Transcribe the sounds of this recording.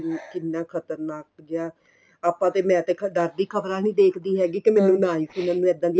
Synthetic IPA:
kɪnːãːkʰət̪əɾnaːk̚d͡ʒjaː | aːpãːt̪eːmɛ̃ːət̪eːɖəɾd̪iːkʰəbɾaːnĩːd̪eːkʰd̪iːɦɛːɡiːkɪmɛːnũːnaːĩːsiːnãːnũːɛːd̪ãːd̪iː

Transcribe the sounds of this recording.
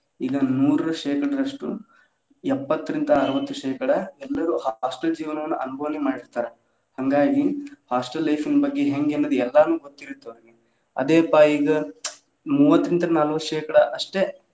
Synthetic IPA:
iːɡɐnuːɾɐɾɐʃeːkɐɽɐɾɐʂʈu | ɛpːɐt̪ːɐɾind̪ɐːɾɐʋɐt̪ːuʃɛːkɐɽɐɛlːɐɾuhaːsʈɐld͡ʒiːʋɐnɐʋɐnːuʔɐnubʱɐʋɐnemaːɽiɾt̪aːɾe | hɐŋɡaːɡihaːsʈɐlːɐjfʰinɐbɐɡːeɦeŋɡeɐnːod̪uɛlːɐnuːɡot̪ːiɾit̪ːɐʋɐɾɡe | ɐ̰d̪eːpːaiːɡɐ | muːʋɐt̪ːɾind̪ɐnalɐʋɐʃɛːkɐɽɐʔɐʂʈe̞

